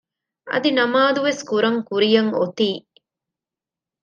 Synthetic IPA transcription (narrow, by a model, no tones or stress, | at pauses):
ɐ̰d̪inɐmaːd̪uʋeskuɾɐŋkuɾijɐŋot̪iː